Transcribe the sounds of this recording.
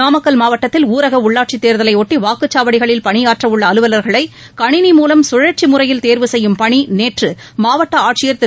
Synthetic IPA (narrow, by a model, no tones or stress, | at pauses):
aːmɐkːɐlmaːʋɐʈːɐt̪ːɪluːɾɐɣɐʊɭːaːʈ̚t͡ʃit̪ːeːɾðɐlɐɪoːʈːiʋaːkɯt͡ʃːaːʋɐɽɪɣɐɭɪlpɐɳɪjaːʈrɐʋɯɭːɐːlɯʋɐlɐɾɣɐɭɐɪ | kɐɳɪnimuːlɐmsʊɻɐʈ̚t͡ʃimʊrɐjɪlt̪eːɾʋɯsɛjːɯmpɐɳineːʈrɯ | maːʋɐʈːɐaːʈ̚t͡ʃɪjɐɾt̪ːɯ